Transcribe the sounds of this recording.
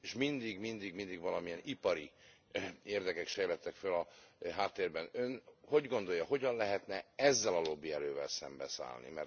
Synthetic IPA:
eʃmind̪iɡmind̪iɡmind̪iɡvɒlɒmiɛnipɒɾi | eːrd̪ɛkɛkʃɛjlɛt̪ːɛkfølɒɦaːt̪ːeːrbɛnø̞nho̞ɟɡo̞nd̪o̞jːɒɦo̞ɟɒnlɛɦɛt̪nɛɛzːɛlɒlo̞bːiɛɾøːvɛ̰lsɛmbɛ̰sa̰ːlnḭmɛ̰r

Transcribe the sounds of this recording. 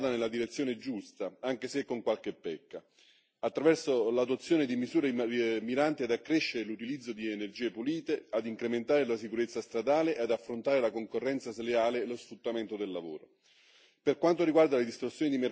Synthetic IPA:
t̪anelːad̪iɾet̪sːjoːned͡ʒust̪aaŋk̟esekːoŋkwalkepːɛkːa | at̪ːɾavɛrsolat̪uat̪sːjoːned̪imizuːɾemiɾant̪iad̪akːɾeʃːeɾelut̪ilid̪zːod̪ienerd͡ʒiːepuliːt̪ead̪iŋkɾement̪aːɾelasikuɾet̪sːast̪ɾad̪aːleʔead̪afːɾont̪aːɾelakoŋkorːɛnt̪saseleaːlelosfɾut̪ːament̪od̪elːavo̰ːɾo̰ | perkwant̪oɾiɡward̪aled̪ist̪ɾosːjoːnid̪ime

